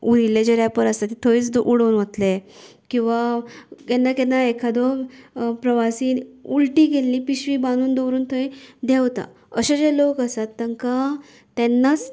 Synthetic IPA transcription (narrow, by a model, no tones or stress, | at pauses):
uɾilːed͡ʑeɾapəɾəset̪et̪ʰoiːt͡sd̪oʔuɽəwnʋət̪le | kĩw̃ʋakenːakɛnːaekʰad̪ɔ | pɾəʋasiːnulʈiːɡelːiːpiɕʋiːbanuːnd̪əwɾuːnt̪ʰəid̪ewt̪a̰ | əɕad͡ʑelokəsat̪ːəŋka | t̪ɛnːat͡s